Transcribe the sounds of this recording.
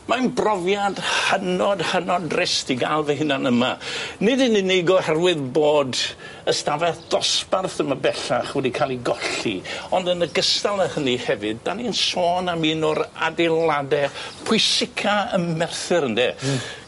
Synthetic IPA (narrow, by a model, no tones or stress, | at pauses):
manbrɔvjad̥hənɔdhənɔdrɪstʰiɡalˠvɛɦɪnanəma̰nɪdɪnɪneɡɔhɛrwɪðboːd | əstavɛθd̥ɔsparθəməbɛɬaχwɛdikʰalˠiɡɔɬḭɔndənəɡəstalˠəhənihɛvɨd̚ːaninsoːnaminɔɾa̰dɛlˠadɛpʰʊɨsɪkʰaəmmɛrθɨɾəndɛ